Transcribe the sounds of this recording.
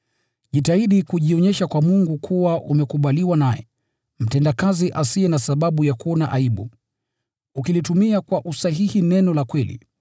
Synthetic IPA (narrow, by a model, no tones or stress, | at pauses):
ʄitaiɗikuʄiɔɲɛʃakwamuŋɡukʰuwaʔumɛkuɓaliwanajɛ̰ | m̩tɛndakaziʔasiɛnasaɓaɓujakuɔnaʔaiɓu | ukilitumiakwaʔusaɦihinɛnɔlakwɛlḭ